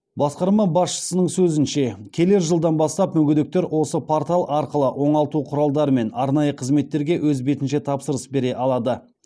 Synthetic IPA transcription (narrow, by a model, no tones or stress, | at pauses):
bɑsqɑɾmɑbɑsʃə̥sənəɴsɵzɪnʃe̞kʲʰe̞le̞ɾʒəlˠd̪ɑnbɑst̪ɑpmɵɡʲʏd̪ɪk̚t̪e̞ɾwo̞səpʰoɾt̪alˠʔɑɾqəlˠəʔwo̞ɴɑlˠt̪uqʰʊɾɑlˠd̪ɑɾəme̞nɑɾnɑjəqʰəzme̞t̪ːe̞ɾɡʲe̞wʔɵzbe̞t̪ɪnʃe̞t̪ʰɑpsəɾəsbe̞ɾe̞ʔɑlˠɑd̪ə